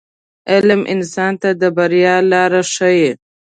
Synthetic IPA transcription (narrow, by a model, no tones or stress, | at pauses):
ɪlmʔɪ̰nsɑnt̪ad̪əbaɾjɑlɑːɾaʂəji